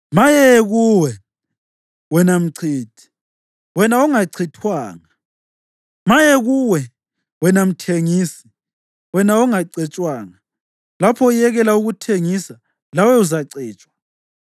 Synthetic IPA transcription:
majɛɣuwɛ | wɛnam̩ǀʰiːtʰʼi̥ | wɛnauŋaǀʰitʰwaːŋa | majɛɣuwɛ | wɛnam̩tʰeŋiːsi̥ | wɛnauŋaǀɛt͡ʃʼwaːŋa | lapʰɔujɛɣɛlauɣutʰeŋisa | lawɛuzaǀɛːt͡ʃʼwa

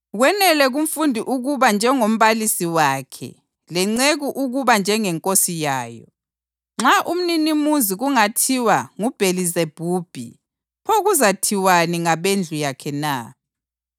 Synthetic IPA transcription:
ɣwɛnɛlɛɣum̩fundʱiʔuɣuβand͡ʒʱɛŋom̩βalisiwaːkʰɛ̰ | lɛŋ͡ǀeɣuʔuɣuβand͡ʒʱɛŋɛŋkʼosijaːjɔ̰ | ŋ͡ǁaʔum̩ninimuziɣuŋatʰiwaŋub̥ʱelizeb̥ʱuːb̥ʱḭ | pʰoɣuzatʰiwaniŋaβend͡ɮʱujakʰɛna̰

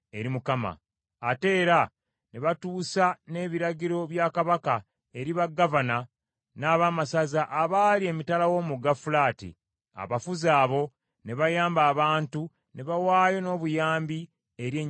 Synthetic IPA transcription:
e̞ɾimukama̰ː | te̞ːɾa | neβatuːsane̞ːβiɾaɟiɾo̞βjaːkaβaka | e̞ɾiβaɡːavana | naːβaːmasazaʔaβaːlie̞mitalawo̞ːmuɡafulaːtḭ | a̰βafuzaːβo̞ | ne̞βajaːmbaːβaːntu | ne̞βawaːjo̞no̞ːβujaːmbi | eɾjeɲ

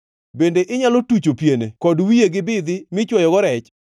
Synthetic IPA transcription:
bendeʔɪɲalotut͡ʃopjenḛkɔdwijeɡɪbɪd̪ɪmɪt͡ʃwɔjɔɡɔɾɛt͡ʃ

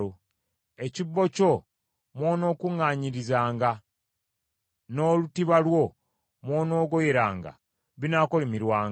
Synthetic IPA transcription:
o | e̞cibːo̞co̞ | mwoːno̞ːkuŋːaːɲiɾizaːŋɡa | no̞lutiβalwo̞ | mwoːno̞ːɡojeɾaːŋɡa̰ | βinakolimiɾwaːŋ

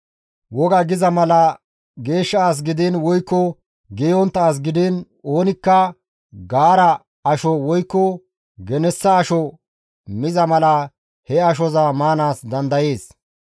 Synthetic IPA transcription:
wɔɡɐɡɪzɐmɐlɐ | ɡe̞ːʃːɐaːs̬ɡɪd̪ɪnwɔjkːɔ | ɡɛjɔnt̪ːaːs̬ɡɪd̪ɪn | o̞ːnɪkːɐ | ɡaːɾɐ | ɐʃɔwɔjkːɔ | ɡɛnɛsːɐːʃɔ | mɪzɐmɐlɐ | hɛɐʃ̬ɔzamaːnaːsd̪ɐnd̪ɐje̞ːs

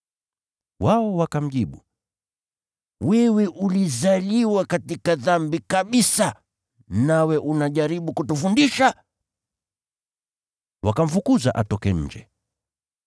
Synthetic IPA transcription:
waɔwakam̩ʄiɓu | wɛwɛʔulizaliwakatikaðambikaɓisa | nawɛʔunaʄaɾiɓukutufundiʃa | wakam̩fukuza̰ʔa̰tɔkɛ̰ɲ̩d͡ʒɛ̰

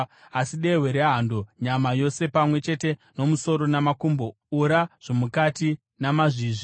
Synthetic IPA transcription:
asiɗeweɾeɦandoɲamajo̞se̞pamwe̞t͡ʃe̞te̞no̞muso̞ɾo̞namakumbo̞ | uɾaʐ̥omukati | namaʐiːʐi

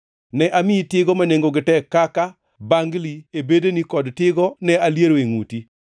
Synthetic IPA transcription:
nɛʔamɪitɪɡɔmaneŋɡoɡɪtɛkːaka | baŋɡliebedenikɔdtɪɡɔnɛaljeɾoeŋuti

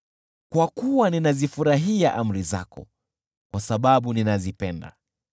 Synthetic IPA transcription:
kwakuwaninazifuɾaɦiaʔam̩ɾiza̰kɔ̰ | kwasaɓaɓuninazipɛnda̰

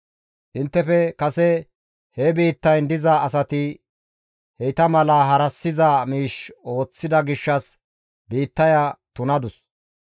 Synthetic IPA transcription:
ʔɪnt̪ːɛfɛkɐsɛ | hɛbiːt̪ːɐjnd̪ɪzaʔɐs̬ɐt̪ɪ | hɛjt̪ɐmɐlaːɦɐɾɐsːɪzaːmiːʃo̞ːt͡sːɪd̪ɐɡɪʃːɐs | biːt̪ːɐjɐt̪ʊnɐd̪ʊs

